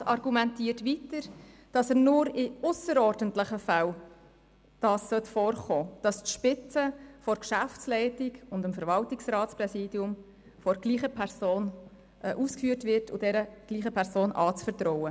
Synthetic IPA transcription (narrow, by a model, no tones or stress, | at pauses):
ɑɾɡumɛntiːəɾtʋitəɾd̥ɑsəɾnʊɾɪʊsəɾɔːɾdəntlɪχəfæl | d̥ɑːsːœtfɔːɾχoːd̥ɑstʃpɪt͡səfɔɾkʃæft͡slɛɪtɪɡʊndəmfəɾʋɑltɪksɾɑːtt͡sprɛsiːdjʊm | fɔɾɡ̥liːχəpʰɛɾsoːn | ʔʔuːskfyːəɾtvɪɾtʰʊd̥ɛɾəɡ̥liːχəpʰɛɾsoːnʔɑːt͡sfəɾt̪ɾɔwə